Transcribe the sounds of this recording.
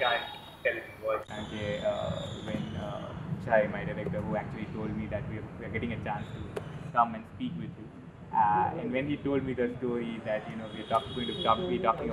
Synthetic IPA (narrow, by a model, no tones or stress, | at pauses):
ka | ʈɛlɪ̃ | ʋəɾkãkḛ | ʋɛ̃n | t͡ʃaimaɪɖaɪɾɛk̚ʈəɾɦuːæk̚t͡ʃuəliʈoːlɖmid̪æʈʋiəʋiəɾɡɛʈɪ̃ŋət͡ʃãːnsʈukʌ̃mɛ̃nspiːkʋɪd̪ju | ɛ̰̃nɖʋɛ̃nɦiːʈoːlɖmiːʈsʈoːɾid̪æʈjunoːʋiʈɔːkɡoɪ̃ŋʈupɔːbʋiʈɔːkɪ̃ŋə